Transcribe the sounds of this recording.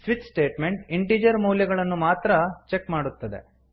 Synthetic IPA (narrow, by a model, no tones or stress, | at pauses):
sʋiʈsʈe̞ːʈme̞ɳʈiɳʈiːd͡ʒɐɾmɐwljɐɡɐɭɐnːumaːt̪ɾɐt͡ʃe̞kmaːɽut̪ːɐd̪e̞̰